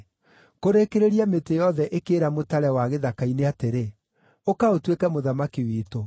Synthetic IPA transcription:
koɾekeɾeɾiametejɔðɛʔekeːɾamotaɾɛwaɣeðakaineateɾe | okaotwekɛmoðamakiwiːto

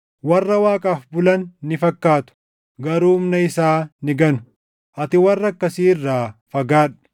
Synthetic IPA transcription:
wɐrːɐwaːkʼaːfbʊlɐnːɪfɐkːaːt̪ʊ̥ | ɡɐɾuːmnɐɪsaːnɪɡɐnʊ̥ | ʔɐt̪ɪwɐrːɐkːɐsiːɪrːaːfɐɡaːᶑ̥

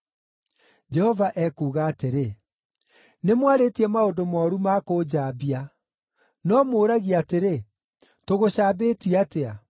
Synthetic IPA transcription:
d͡ʒɛhɔvaʔɛkuːɣaːteɾe | nemwaɾetiɛmaodomɔːɾumakod͡ʑaːbia | nɔmoːɾaɣiateɾe | toɣoɕaːbetiatea

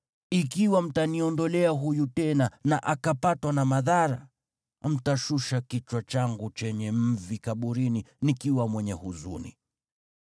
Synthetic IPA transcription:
ikiwam̩taniɔndɔlɛaɦujutɛnanaʔakapatwanamaðaɾa | m̩taʃuʃakit͡ʃwat͡ʃaŋɡut͡ʃɛɲɛm̩vikaɓuɾininikiwamwɛɲɛhuzṵnḭ

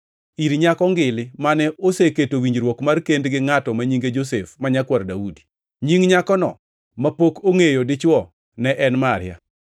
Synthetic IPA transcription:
iɾɲakɔŋɡɪlɪmanɛoseketowiɲd͡ʒɾwɔkmarkendɡɪŋatɔmaɲiŋɡed͡ʒos̬efmaɲakwaɾdaudi̥ | ɲiŋɲakɔnɔ̰ | mapokoŋejodɪt͡ʃwɔ | nɛʔɛnmaɾɪja̰

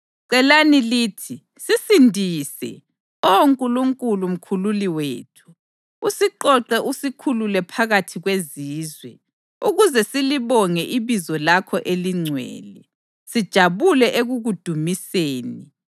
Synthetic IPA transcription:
ǀɛlaniliːtʰi | sisindʱisɛ̰ | oŋkʼuluŋkʼulum̩kʰululiwḛːtʰu̥ | usiǃɔǁɛʔusikʰululɛpʰaɣatʰiɣweziːzwɛ | uɣuzɛsiliβɔŋɛʔiβizɔlakʰɔʔeliŋ͡ǀʱwɛ̰ːlɛ | sid̥ʒ̥ʱaβulɛʔeɣuɣud̥ʱumiseːni

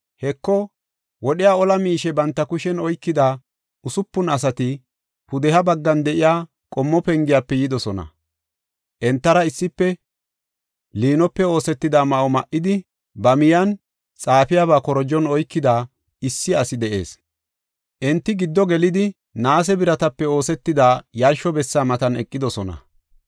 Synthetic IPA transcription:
hɛkːɔ | wɔɗɪjaːɔlɐmiːʃɛbɐnt̪ːɐkʊʃɛnɔjkːɪd̪a | ʊsʊpːʊnɐs̬ɐt̪ɪ | pʊd̪ɛhɐbɐɡːɐnd̪ɛʔɪjaː | kʼɔmːɔpɛŋɡɪjaːpːɛjɪd̪ɔsɔnɐ̰ | ʔɛnt̪ːɐɾɐɪsːɪpːɛ | liːnɔpːɛo̞ːsɛt̪ːɪd̪aːmɐʔɔmɐʔɪd̪ɪ | bɐmɪjɐn | t͡sʼaːpɪjaβaːkɔɾɔd͡ʒɔnɔjkːɪd̪aː | ɪsːɪɐsɪd̪ɛʔe̞̰ːs | ʔɛnt̪ːɪɡɪd̪ːɔɡɛlɪd̪ɪ | naːs̬ɛbɪɾɐt̪ɐpːɛo̞ːsɛt̪ːɪd̪aːjɐɾʃɔbɛsːaːmɐt̪ɐnɛkʼːɪd̪ɔsɔnɐ̰

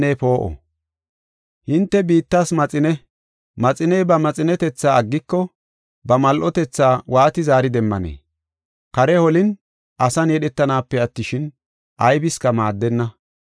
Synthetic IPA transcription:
nepo̞ːʔɔ̰ | hɪnt̪ːɛbiːt̪ːaːsmɐt͡sʼɪnɛ | mɐt͡sʼɪnɛjbɐmɐt͡sʼɪnɛt̪ɛt͡sːaːɐɡːɪkːɔ | bɐmɐlʔɔt̪ɛt͡sːaːwaːt̪ɪzaːɾɪd̪ɛmːɐ̰nḛː | kɐɾɛhɔlɪn | ʔɐsɐnjɛɗɛt̪ːɐnaːpːɛɐt̪ːɪʃɪn | ʔɐjbɪskɐmaːd̪ːɛnːɐ

